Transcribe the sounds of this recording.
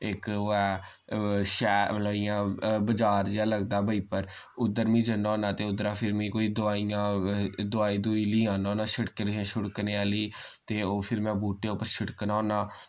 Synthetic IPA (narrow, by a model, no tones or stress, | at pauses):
ɪkoɛː | ʃɛːmət̪ləbiːãːbəd͡ʒaːɾd͡ʒaːləɡd̪aːbəiːpəɾ | ʊd̪əɾmĩːd͡ʒənaɔ̃ːnaːt̪eːʊd̪ɾaːpʰɪɾmĩːkoːiːd̪ʊaːijãːd̪ʊaːiːd̪uiːliːãːnãːnaːʃəɽkɾãːʃʊɽkneːaːliːt̪eːoːpʰɪɾmɛ̃ːbuːʈeːʊpːəɾʃɪʈknãːnaː